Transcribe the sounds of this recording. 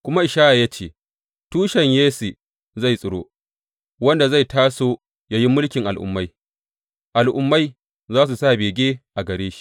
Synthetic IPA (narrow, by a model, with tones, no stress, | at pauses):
kʷʊ˦ma˦ʔɪ˨ʃaː˦ʔa˨jaː˦t͡ʃeː˦˨ | tuː˦ʃɛ˨ɲjeː˦si˨ | za˦˨jsʼʊ˨ɽo̰ː˦ | wɐ˦nda˨za˦˨jtaː˦soː˦ | ja˦ji˦mʊ˦lkʲɪ˨ŋʔa˨lʔʊ̰˨mːa˦j | ʔa˨lʔʊ˨mːa˦j | zaː˦s̬u˨saː˦˨beː˨ɡʲeː˦ʔa˨ɡɐ˨ɾeː˦ʃi̥˦